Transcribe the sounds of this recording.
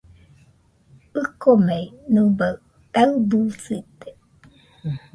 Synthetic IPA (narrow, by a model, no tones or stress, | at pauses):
ɯkomeinuba | t̪aɯbusit̪e̥